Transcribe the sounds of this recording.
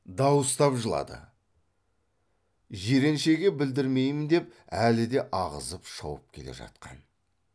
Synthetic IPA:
d̪ɑwəst̪ɑpʒəlˠɑ̰d̪ə̰ | ʒe̞ɾe̞nʃe̞ɡʲebɪld̪ɪɾme̞jmɪnd̪e̞p̚ælɪd̪e̞ʔɑʁə̰zəpʃɑ̰wəp̚kʲʰe̞le̞̰ʒɑ̰t̪qɑn

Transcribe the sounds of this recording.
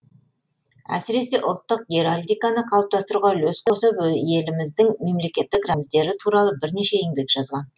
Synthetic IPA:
æ̰sɪɾe̞se̞ʔʊlˠt̪ːəq̚ɡʲeɾalʲd̪ijkanəqʰɑəp̚t̪ɑst̪əɾuʁɑlɵsqosəpje̞lɪmɪzd̪ɪŋme̞mle̞kʲe̞t̪ːɪkramzd̪e̞ɾɪt̪ʰuɾɑlˠəbɪɾne̞ʃe̞jeŋbe̞kʒ̥ɑzʁɑn

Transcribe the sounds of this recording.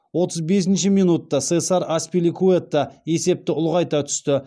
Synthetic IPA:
wo̞t̪əzbe̞s̬ɪnʃɪmijnut̪ːɑsesɑɾaspilʲikʰuet̪ːɑe̞se̞p̚t̪ɪʊlˠʁɑjt̪ɑt̪ʰʏ̥st̪ɪ

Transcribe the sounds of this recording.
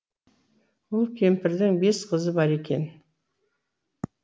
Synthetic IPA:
wolˠkʲʰe̞mpɪɾd̪ɪŋbe̞sqʰəzəbɑɾe̞kʲe̞̰n

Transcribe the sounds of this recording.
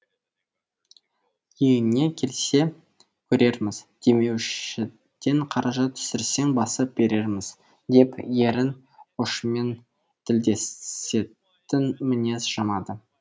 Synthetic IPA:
jejɪnne̞kʲʰe̞lse̞ | kʲʰɵɾe̞ɾmɪz̥d̪̥e̞me̞wʃɪ | d̪̥eɴqʰɑɾɑʒɑt̪ʰʏ̥sɪɾse̞ŋbɑsəp̚be̞ɾe̞ɾmɪz̥ | d̪e̞pje̞ɾɪn | ʊʃəme̞n | t̪ʰɪld̪e̞se̞ | t̪ɪnmɪne̞sʒ̥ɑmɑd̪ə

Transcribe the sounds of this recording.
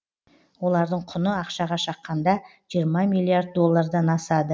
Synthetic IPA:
wo̞lˠɑɾd̪əɴqʰʊnəɑqʃɑʁɑʃɑqːɑnd̪ɑ | ʒ̥ijəɾmɑmilˠːiaɾd̪̚ːo̞lˠːɑɾd̪ɑnɑsɑd̪ə

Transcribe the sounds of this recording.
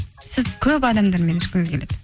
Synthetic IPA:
sɪzkʲʰɵpɑd̪ɑmd̪ɑɾmenɪʃkʲeɡʲkʲʰeled̪̥ɪ

